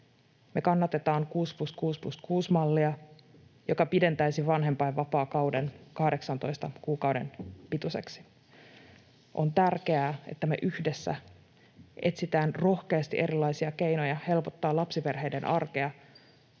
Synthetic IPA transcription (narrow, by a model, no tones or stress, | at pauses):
me̞kɑnːɑt̪e̞t̪ɑːŋkuːspluskuːspluskuːsmɑlːiɑ | jo̞kɑpide̞nt̪æjsiʋɑnɦempɑjʋʋɑpɑːkɑwde̞nkɑhde̞ksɑnt̪o̞jst̪ɑkuːkɑwde̞̰npit̪use̞̰ksi̥ | ʔont̪ærke̞æːe̞̰t̪ːæme̞̰ʔyhde̞sːæ̰ | ʔe̞t̪sit̪æːnro̞hke̞ɑst̪iʔe̞ɾilːˑɑjsiɑke̞jnojɑhe̞lpo̞t̪ːɑːlɑpsipe̞rɦe̞jdenʔɑrke̞ɑ